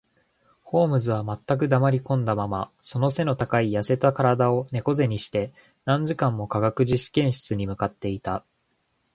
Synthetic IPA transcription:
ho̞ːmɯ̟zɨβ̞amat̪ːak̬ɯ̟d̪amaɾʲikõ̞nd̪amamaso̞no̞se̞no̞t̪akaijase̞t̪akaɾad̪ao̞ne̞ko̞ze̞ɲ̟iɕi̥t̪e̞ | nãɲ̟d͡ʑikãmːo̞kaɡakɯ̟ʑiɕi̥kẽ̞ɰ̃ɕɨ̥t͡sɨɲ̟imɯ̟kat̪ːe̞it̪a

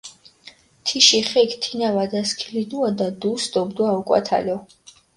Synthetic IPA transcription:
t̪ʰiʃiχɛkʰt̪ʰinavad̪askʰilid̪uad̪ad̪usd̪ɔbd̪uaukʼwa̰t̪ʰa̰lɔ

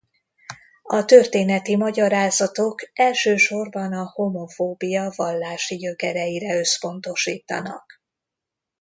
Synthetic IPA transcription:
ɒt̪ørt̪eːnɛt̪imɒɟɒɾaːzɒt̪o̞kɛlʃøːʃo̞rbɒnɒhomo̞foːbijɒvɒlːaːʃijøkɛɾɛjiɾɛø̞spo̞n̪t̪o̞ʃiːt̪ɒ̰nɒ̰k

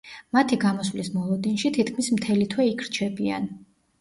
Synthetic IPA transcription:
mat̪ʰiɡamɔswlismɔlˠɔd̪inʃit̪ʰit̪kʰmismt̪ʰɛlit̪ʰwɛikʰɾt͡ʃʰɛbia̰n

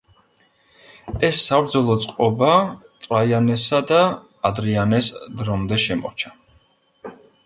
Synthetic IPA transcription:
ɛsːabɾd̪zɔlˠɔt̪sʼqʼɔbat̪ʼɾajanɛsad̪aː | d̪ɾianɛsd̪ɾɔmd̪ɛʃɛmɔ̰ɾt͡ʃʰḁ

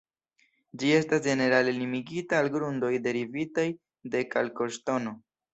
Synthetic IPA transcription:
d͡ʒie̞stasd͡ʒe̞ne̞ɾalenimiɡitaːlɡɾundo̞jde̞ɾivitaj | de̞kalko̞ʃto̞no̞

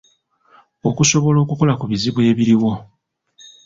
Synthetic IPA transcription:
o̞kuso̞βo̞lo̞ːkuko̞lakuβiziβwe̞ːβiɾiwo̞

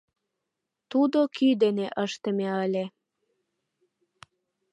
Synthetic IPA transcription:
t̪ud̪okyd̪eneʔəʃt̪ə̆meəlʲe

